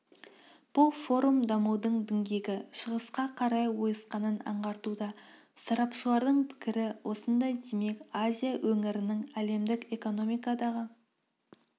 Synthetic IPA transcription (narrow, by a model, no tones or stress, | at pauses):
b̥ʊlˠfo̞ɾumd̪ɑmuwd̪əɴd̪ɪŋɡʲe̞ɡʲɪʃəʁəsqɑqʰɑɾɑjwo̞jəsqɑnənɑ̰ɴʁɑɾt̪ud̪ɑ | sɑɾɑpʃəlˠɑɾd̪əɴpʰɪ̥kʲɪɾɪwʔo̞sənd̪ɑjd̪e̞me̞kazʲijawʔɵŋɪɾɪnɪŋæle̞md̪ɪke̞ko̞no̞mijkɑd̪ɑʁə